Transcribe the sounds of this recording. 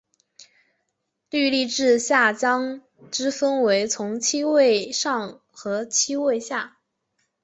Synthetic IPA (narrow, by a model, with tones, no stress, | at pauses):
ly˥˧li˥˧ʈ͡ʂɻ̩˥˧ɕja˥˩t͡ɕjɑ˥ŋ | ʈ͡ʂɻ̩˥fə˥nwe˧˥ɪt͡sʰʊ˧˥ŋt͡ɕʰi˥we˥˧ɪʂɑ˥˩ŋ | xɤ˧˥t͡ɕʰi˥we˥˧ɪɕja˥˩